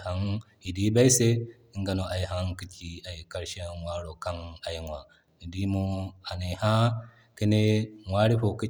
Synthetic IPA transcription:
ha˦ŋ | i˨di˦ba˦i˦se˦ | i˦ŋɡa˨no˨ʔa˨ji˨ɦa˦ŋki˦t͡ʃi˨a˨ji˨ka˦ɾʃe˦˨ŋwa˦ɾo˨ka˦na˨ji˨ŋwa˨ | i˨di˦mu˦a˨ne˨ha˦ | ki˦ne˦ŋʷwa˦ɾi˦ɸo˨ki˦

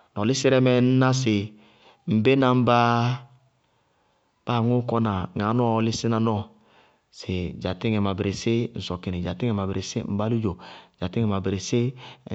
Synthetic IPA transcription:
n˨ɔ˨li˦si˦ɾɛ˦mɛ˨n̩˦na˦s̬i˨ | m̩˨be˦na˨m̩˦ba˦ | b̥a˦˨ŋu˦kɔ˦na˨ŋa˨˦nu˦ɔ˦˨li˦si˦na˨nɔ˦ | si˨d͡ʒa˨ti˦ŋɛ˨ma˨bɾe˨si˦n̩˨sɔ˨ki˨ni˨d͡ʒa˨ti˦ɛ˨ma˨bɾʔe˨si˦m̩˦ba˦lu˦d͡ʒo˨d͡ʒa˨ti˦ŋɛ˨ma˨bɾe˨si˦

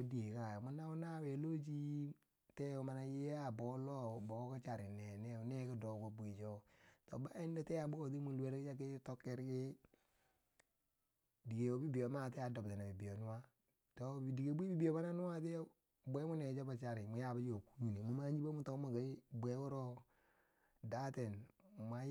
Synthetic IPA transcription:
di˦e˨ka˨jmu˦na˦wu˦na˦˨we˨lo˦t͡ʃi˦ | tɛ˦o˨˦ma˨na˨ji˦ja˦˨bɔ˨˦lɔ˦˨bo˨˦ka˦t͡ʃa˨ɾɪ˨nɛ˨nɛ˦˨˦ne˦ki˦dɔ˨˦ko˦bu˨i˨t͡ʃo˦tɔ˨ba˦ɛ˦ndɔ˦tɛ˦a˨bu˦ko˦˨ti˦mu˨lu˦e˦ɾki˦t͡ʃa˦k̬ɪ˦tɔ˦kːɛ˦ɾkɪ˦ | di˨ke˨wo˨bi˦bi˨jo˨ma˦˨te˦a˨do˨btɛ˨na˨bi˨bi˨jo˨nu˦wa˦ | to˨bi˨di˨ke˨bu˦i˦bi˦bi˨jo˨ma˦na˦nu˦wa˦t̬ɛ˦o˦ | bʷe˦mu˦ne˨d͡ʒo˦ba˨t͡ʃa˨ɾi˨mu˨ja˦˨ba˦d͡ʒi˦o˨ku̥˦ɲu˨ni˨mu˨˦ma˦ɲd͡ʒi˦be˦u˦to˨˦ma˨ɡa˨˦bʷe˦wo˦ɾo˦ | da˦te˨nma˨˦

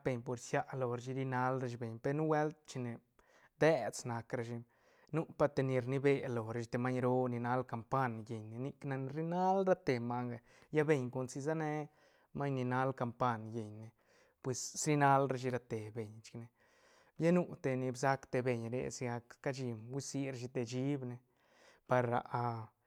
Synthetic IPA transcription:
be˧ɲpo˨ɾsja˦ʔlo˨ɾe˧ʃ̬i˧ɾi˧na˧lɾe˧ʃbe˨ɲpe˧ɾnu˦we˦lt̪̚t͡ʃi˧ne˨ | d̪e˦sna˧kɾa˧ʃi˧ | nu˦pa˧t̪e˧ni˧ɾni˧be˧lo˨ɾe˧ʃt̪e˧ma˦ɲɾo˦ni˨na˧lka˨mpa˦nje˨ɲne˨ni˧kna˧n˧ɾi˦na˦lɾa˦t̪e˨ma˧ŋɡa˨ | ja˦be˧ɲko˧nsi˧za˦ne˧ | ma˦ɲni˧na˦lka˧mpa˧nje˨ɲne˨ | pwe˨ssɾi˦na˦lɾa˧ʃi˧ɾa˧t̪e˨be˨ɲt͡ʃi̥˧kne˧ | bja˦nu˧t̪e˧ni˧bsa˧kt̪e˧be˨ɲɾḛ˧˨si˧ɡa˧kka˦d͡ʒi˧mwi˦si˧˦ɾʃ̬i˧t̪e˧d͡ʒi˦bne˧ | pa˧ɾːa̰˨˧ʔa˧

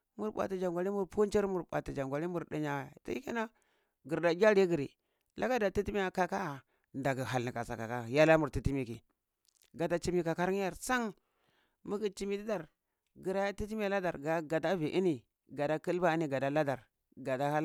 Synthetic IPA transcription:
mu˦ɾɓʷa̰˨ti˨d͡ʒa˨ŋɡʷa˨ɾi˦mu˦˨ɾpo˦n˦t͡ʃe˦ɾmu˨ɾɓa̰˨ti˨d͡ʒa˨ŋɡʷa˨li˦mu˨ɾdi˦ɲa˨ta̰˦i˦ki˦na˦ | ɡi˨ɾda˨ɡʲa˦ɾi˦ɡi˨ɾḭ˨ | la˦ɡa˦da˨ti˦ti˦mi˦ja˨ka˦ka˦˨ | nda˨ɡi˨ɦa˨lni˨ka˨sa˨ka˨ka˦˨ja˦la˦mu˨ɾti˦ti˦mi˨ki˨ | ɡa˨ta˦t͡ʃi˦mi˦ka˨ka˦ɾŋ˦ja˦˨ɾsa˦ŋ | mu˦ɡi˨t͡ʃi˦mi˦di˦da˨ɾ | ɡi˨ɾa˨˦ja˦ti˦t̬i˦mi˦a˨la˦da˨ɾɡa˨ɡa˨ta˦vi˨ʔi˦ni˨ | ɡa˨da˦ki˦lba˦i˦ni˨ɡa˨da˦la˦da˨ɾ | ɡa˨da˦ha˦l

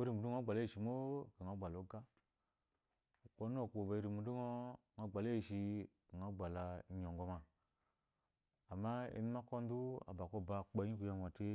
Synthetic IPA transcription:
o˦ɾi˦˨mu˨du˦ŋ˦o˦ɡ͡ba˨la˦i˨ʃi˨mo˦˨ka˨ŋa˨˦ɡ͡ba˨lo˨˦ɡa˦˨ | k͡po˦n˦o˦˨ko˨ba˨i˨˦ɾi˨mu˨˦du˦ŋo˦ŋa˦ɡ͡ba˨la˦i˨ʃi˧ka˨ŋa˦ɡ͡ba˨la˧˦ɲo˨ŋɡo˧˦ma˨ | mːa˦ḛ˦ni˦ma˦ko˦n˦du˦a̰˨ba˨ko˦˨ba˧˨k͡pa˨˦i˦ku˨ja˦m˨a˨te˦

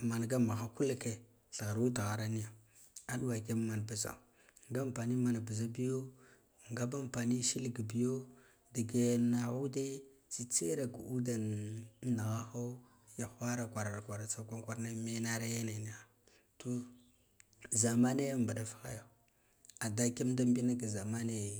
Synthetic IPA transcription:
ma˨n˨ɡa˦ma˨xa˦ku˦lke˨ | ɬa˨ɣa˨ɾu˦ta˨ɣa˨ɾa˦ni˦ja˨ | a˦ɗwa˨ke˦m˦ma˨n˨ba˨za̰˨ | ŋɡa˦mpa˨ni˦ma˨na˨ba˨za˦bi˦jo˦ | ŋɡa˦ba˦mpa˨ni˦ʃi˦lɡi˨bi˦jo˦ | da˨ɡe˨jna˨ɣu˦de˦ | t͡si˨t͡se˦ɾa˨ku˨u˦da˨n˦na˨ɣa˦xo˦ | ja˨xʷa˦ɾa˨kʷa˨ɾa˨ɾkʷa˨ɾa˨t͡sa˦kʷa˦ŋkʷa˦ɾna˦me˦na˦ɾa˦ja˦na˨ni˦ja˦˨ | to˦ | za˨ma˦ne˦ja˦mba˨ɗa˨fḁ˦xa̰˦ja˨ | a˨da˦ke˦mda˦mbi˦na˦ɡa˨za˨ma˦ne˦˨

